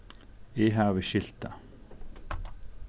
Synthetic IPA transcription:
ɪɦavɪʃɪl̥t̪a

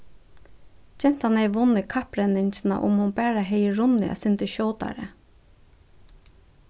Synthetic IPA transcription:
çɛnt̪hɑneɪʋʊnəkʰɑpɾɛnɪnçnɑ̰ʔʊ̰mhʊmbæːɾəheɪɹʊnəɑ̰sɪnt̪əʃoːd̪ɑ̰ɾə̰

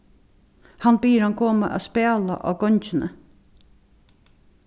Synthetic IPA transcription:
hanbiːɾhankʰoːmaʔæ̰spæːla̰ʔɑ̰ːɡɔɲʲt͡ʃɪnə̰

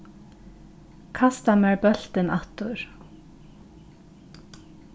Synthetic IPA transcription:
kʰast̪amɛɹpœl̥t̪ɪnaht̪ʊɹ̥

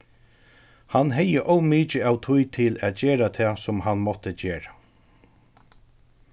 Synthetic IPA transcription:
hanɦɛjəʔɔwmiːt͡ʃɪawt̪ʰʊjt̪ʰɪlæːt̪̚d͡ʑeːɹat̪ʰɛːsʊmhanmɔt̪ət͡ɕeːɹa

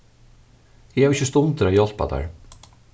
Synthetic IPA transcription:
jɪhɛvɪçɪst̪ʊnt̪əɾajɔl̥pa̰d̪æ̰ɹ

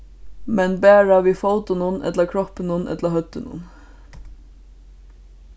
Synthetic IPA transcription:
mɛnbæːɹaʋifowt̪ɪnʊnʔɛ̰t̪ləkʰɹɔpɪnʊnʔɛ̰t̪ləhœt̪ːɪnʊ̰n

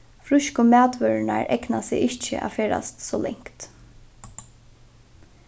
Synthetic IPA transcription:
fɾʊʃkʊmæːt̪ʋœɾɪnaɹɛknasɪɪht͡ʃɪ̰ʔa̰ːfeːɾa̰st̪sɔːlɛŋ̥kt̪

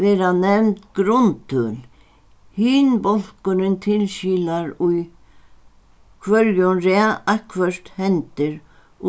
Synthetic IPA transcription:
vɛːɾanɛmnt̪ɡɾʊnt̪ʏl | hiːnbɔl̥kʊɾɪnt̪ʰɪlʃiːlaɾuj | kʰvœɾjʊnɾaakʰvœr̥t̪hɛnt̪ɪɾ

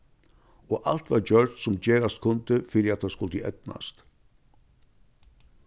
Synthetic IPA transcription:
ɔʔal̥t̪vaɾd͡ʒœɾt̪sʊmd͡ʑɛːɾast̪kʰʊnt̪ɪfɪɾɪat̪θaskʊlt̪əʔɛ̰t̪na̰st̪

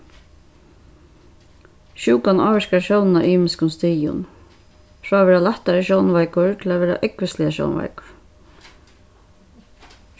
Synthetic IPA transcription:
ʃuːkanʔaːʋɪɾkaɾʃjɔwnnaʔiːmɪskʊnst̪iːjʊ̰n | fɾɔːavɛːɾalaht̪aɾɪʃjɔwnvajkʊɹt̪ʰɪlavɛːɾa̰ʔɛkvɪst̪lɪaʃjɔ̰wnva̰jkʊ̥ɾ̥

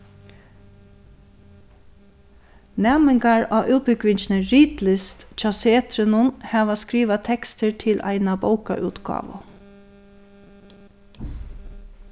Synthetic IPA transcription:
nɛːmɪŋkaɹɑːʔʉːt̪̚bʏɡʋɪɲt͡ʃnəɹiːt̪lɪst̪t͡ʃʰaseːt̪ɾɪnʊnhæːʋaskɾiːʋat̪ʰɛkst̪əɹt̪ʰɪlʔa̰ɪnaboʊwka̰ʔʉ̰ːt̪ɡ̥ɑ̰ːʋə̰

